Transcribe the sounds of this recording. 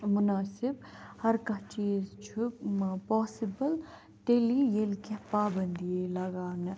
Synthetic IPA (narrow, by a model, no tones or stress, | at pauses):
mʊnaːsɪbhɐɾkɐt͡ʃiːzt͡ʃʰumɐpɔːsɪbɐl | t̪elijelkepaːbɐnd̪ielɐɡaːnɐ